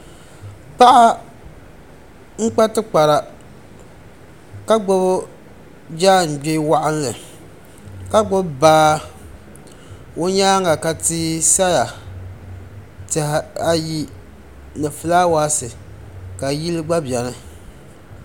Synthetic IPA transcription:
pa˦ʔa˦ | ŋ̩˦k͡pa˦tɨ˦k͡pa˨ɾa˨ | ka˦ɡ͡bʊ˦bʊ˦ | d͡ʒaː˦˨n̩˨be˦wa˦ʔa˦n˦lɨ˨ | ka˦ɡ͡bʊ˦bbaː˦ | o˦ɲaː˦ŋa˨ka˨tiː˦sa˦ja˨ | tɛ˨ha˨ji˦ | nɨ˨fɨ˨laː˦waː˦sɨ˨ | ka˨ji˦lɨ˦ɡ͡ba˦bjɛ˨nɨ˦

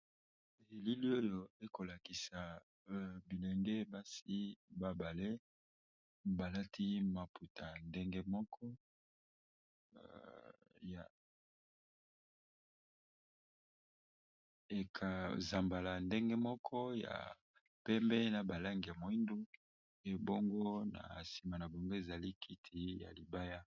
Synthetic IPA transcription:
e˨li˦li˦o˦jo˨e˦ko˨la˨ki˨sa˨ | bi˨lɛ˨ŋɡe˦ba˦si˦ba˦ba˨le˦ | ba˨la˦tʰi˦ma˨pʰu˨tʰa˨nde˦ŋɡe˦mɔ˦kʰɔ˦ | ja˨ | e˨kʰa˨za˨mba˨la˨nde˦ŋɡe˦mɔ˦kʰɔ˦ja̰˨ | pɛ˦mbɛ˦na˨ba˨la˦ŋɡi˨ja˨mo˨i˦ndu˦ | e˨bo˦ŋɡo˦na̰˨si˨ma˨na˨bo˨ŋɡo˦e˨za˨li˦kʰi˦tʰi˨ja̰˨li˨ba˦ja˦

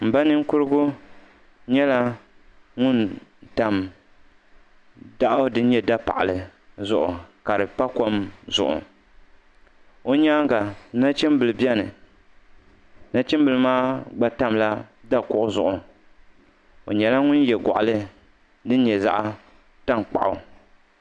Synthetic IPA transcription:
m̩˨ba˦nɨ˦ŋ˦kʊ˦ɾɨ˦ɡʊ˦ | ɲɛ˦la˦ | ŋʊ˦nta˨m | da˦ʔdɨ˦n̩˦ɲɛ˦da˦pa̰˨ʔa˨lɨ˨zʊ˦ʔʊ̰˨ka˨ɾɨ˨pa˦ko˦mzʊ̰˨ʔʊ̰˨ | o˦ɲaː˦ɡa˨na˦t͡ʃi˦mbɨ˨lɨ˨bɛ˦nɨ˨ | na˦t͡ʃɪ˦m˦bɨ˨lɨ˦maː˦ɡ͡ba˦ta˦mla˦da˦kʊ˦ʔʊ˦zʊ˦ʔʊ˨ | o˨ɲɛ˨la˦ŋʊ˦njɛ˨ɡɔ̰˨ʔa˨lɨ˦ | dɨ˦n̩˦ɲɛ˨za̰˦ʔ | ta˦mk͡pa̰˨ʔʊ˨

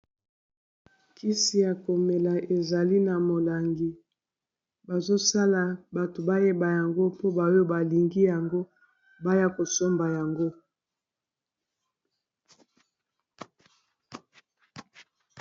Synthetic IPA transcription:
ki˦si˨ja˨ko˨me˨la˨ʔe˨za˨li˦na˨mo˨la˨ŋɡi˨ | ba˨zo˦sa˦la˨ba˨to˨ba˦je˦ba˨ja˨ŋɡo˦po˦ba˨˦o˦ba˨li˨ŋɡi˦ja˨ŋɡo˦ | ba˦ja˦ko˨so˦mba˨ja˨ŋɡo˦

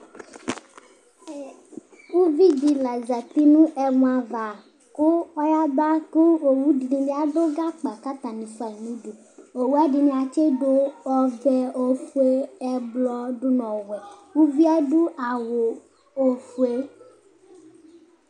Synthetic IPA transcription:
wu˦vi˦di˨la˨za˨t̪i˦nũ˦ʔɛ˨mũ˨a˨va˨ | ko˦ɔ˦ja˦ba˦ku˦o˨wu˦di˨nĩ˨bi˦a˨ɖo˦ɡa˦k͡pa˨ka˦t̪a˨nĩ˨su˦a˨nũ˦ɖu˨ | o˨wu˦a˦ɖi˨nĩ˦a˨t͡ʃe˦ɖo˦ɔ˦vɛ˦o˨fu˦e˦ɛ˦blɔ˦ɖu˦nɔ̃˨wɛ˨wu˦vi˦a˦ɖu˦ʔa˨wo˨ | o˨fu˨e˦

